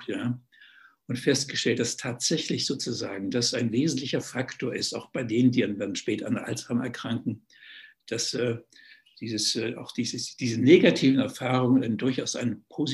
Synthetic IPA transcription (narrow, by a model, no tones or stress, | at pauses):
jaː | ʔʊntfɛst̚ɡ̥əʃtɛlt̚d̥astʰaːtz̥ɛçlɪçz̥oːt͡suzaːɡŋ̩d̥asaɪnveːzn̩tlɪçɐfaktʰoːɐɪsta̰ʊxb̥aɪdeːnndiːanvadn̩ʃpɛːtɐa̰nʔa̰lzaːmɛ̰ɐkʁ̥aŋkŋ̩ | d̥asɛː | d̥iːzəsːʔa̰ʊxd̥iːzəsd̥iːzəneːɡatʰiːvn̩ɛɐfaːʁ̞ʊŋənaɪnədʊɐçaʊsʔa̰ɪnəpʰoːz